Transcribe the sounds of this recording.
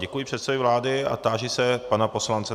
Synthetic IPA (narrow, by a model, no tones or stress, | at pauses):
ɟɛkujɪpr̥ɛt̪sɛvɪvlaːdɪa̰t̪aːʒɪsɛpanapo̞slant͡sɛ